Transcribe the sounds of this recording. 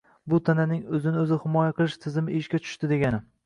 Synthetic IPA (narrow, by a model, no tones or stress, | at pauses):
bʊt̪ʰananɪŋɵzɪnɪɵzɪhɪmɒjaqʰɨlˠɪʃt̪ʰɪzɪmɪʔeʃkʲat͡ʃʰʊ̥ʃt̪ɪd̪e̞ɡʲanɪ